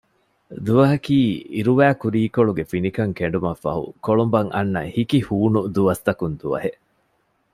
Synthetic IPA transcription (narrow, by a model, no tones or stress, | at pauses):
d̪uʋɐɦɐkiːḭɾuʋæːkuɾiːkoɭuɡefinikɐŋkeɳ̆ɖumɐfːɐ̰ɦṵkoɭumbɐŋʔɐ̰nːɐ̰hikihuːnud̪uʋɐst̪ɐkund̪uʋɐ̰ɦeʔ